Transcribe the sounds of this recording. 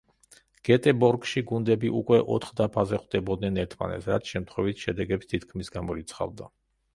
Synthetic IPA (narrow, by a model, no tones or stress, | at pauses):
ɡ̥ɛt̪ʼɛbɔɾɡʃiɡund̪ɛbiʔukʼwɛʔɔt̪ʰχd̪apʰazɛχwd̪ɛbɔd̪̚nɛnɛɾt̪ʰma̰nɛ̰t̪sʰɾat̪sʰʃɛmt̪ʰχwɛvit̪ʃɛd̪ɛɡɛpst̪ʰit̪̚kʰmisɡamɔɾit̪sʰχa̰vd̪a